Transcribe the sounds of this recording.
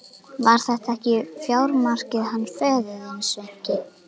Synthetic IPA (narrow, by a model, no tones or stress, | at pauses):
vaɾ̥θɛht̪aɛhcɪfjaːwɾmar̥cɪðhanːfœːðʏðɛnsɛɲ̥cɪ